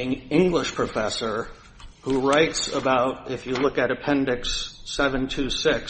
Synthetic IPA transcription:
ɪ̃ŋɪ̃ŋɡlɪʃpʰɹ̥ɨfɛsə˞ | huɹaɪtsəbaʊɾɪfjɨlʊkɨɾɨpʰɛ̃ndɨksɛvɨ̃ntʰʉsɪk

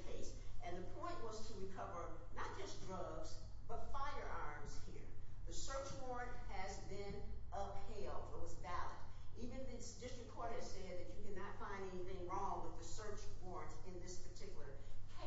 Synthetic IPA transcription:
kʰeɪsɨ̃nðɨpʰɔ̃ɪ̃nʔwʌz̥tʰəɹikʰʌvə˞nət̚d̥ʒ̥ʌsdɹʌvz̥b̥ʌtfaɪə˞ʔɑɹmz̥hiɹðɨsɜ˞t͡ʃwɔɹɨ̃nt̚hɨzbɪ̃nʔʌpheɪlˠd̚ʰəʌzvælˠɨ̰̃divɨ̃nɨtsd̥ɪstɹ̥ɨkʰɔɹɾɨsɛd̪̚ðɨt͡ʃɨkʰɨnɨtfãɪ̃ndɛniθɪ̃ŋɹɔ̃ŋwəðɨsɜ˞t͡ʃwɔɹɨ̃ntɨ̃nðɪspʰə˞tʰɪkjl̩ˠə˞kʰ

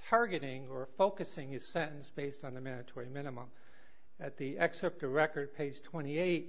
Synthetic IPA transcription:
tʰɑɹɡɨɾɪ̃ŋə˞foʊkɨsɪ̃ŋɨz̥sɛ̃ɾ̃n̩sb̥eɪstn̩ðɨmæ̃ñɨtʰɔɹimɪ̃nɨmə̃m | ɨt̪̚ðiʔɛksɨp̚tɨɹɛkə˞d̚pʰeɪ̥d͡ʒ̥ʒ̥tʰw̥ɛ̃ɾ̃ieɪt̚

